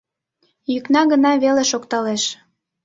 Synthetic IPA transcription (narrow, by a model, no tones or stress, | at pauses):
jyknɑɣənɑβeleʃokt̪ɑleʃ